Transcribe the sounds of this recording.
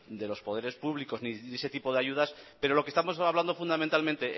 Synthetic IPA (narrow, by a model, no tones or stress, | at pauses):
d̪e̞lo̞spo̞ð̞e̞ɾe̞spuβliko̞znie̞se̞t̪ipo̞ð̞eaʝuðaspe̞ɾo̞lo̞kest̪amo̞saβland̪o̞fund̪ament̪almẽnt̪e̞ʔ